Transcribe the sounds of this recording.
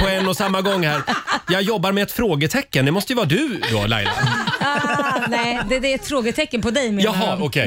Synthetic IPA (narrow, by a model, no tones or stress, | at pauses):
pʰɔɛnːɔsamːaɡɔŋːhæːɾjɑːɡjɔbːaɾmɛɛt̪fɾoːɡət̪ʰɛkːənd̪ɛmɔst̪əjəvɑːɾad̪ɵd̪o̰ːla̰jla̰ | nɛd̪ɛd̪ɛɛt̪fɾoːɡət̪ʰɛkːənpɔd̪ɛjmjɑɦɑɔkʰɛ